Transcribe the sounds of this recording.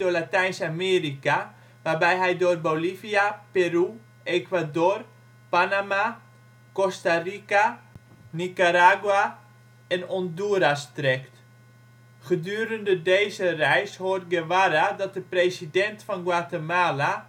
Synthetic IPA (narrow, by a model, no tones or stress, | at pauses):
dolatɛjnsameːrika | ʋarbɛjɦɛjdoərboliviaperu | ekʋadoːr | panama | kɔstarika | nikaɾaːɡwa | ɛnɔnduəɾastrɛkt | χədyəɾəndədejzərɛjshort̚ɡəʋaɾadɔt̚dəpresidɛntfɔnɡwatəmaːla